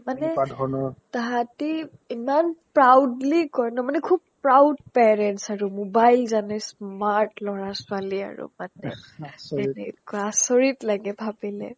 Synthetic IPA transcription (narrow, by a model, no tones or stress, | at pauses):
manɛadʱɔnɔtaɦati | imanpɹawdlikɔɹnɔmanɛkʰub̚pɹawdpɛɹɛntsaɹumobajlzanɛsmaɹtlɔɹasʊalia̰ɹṵmanɛ̰ | ɛnɛkɔasoɹitlaɡɛbʱabilɛ̰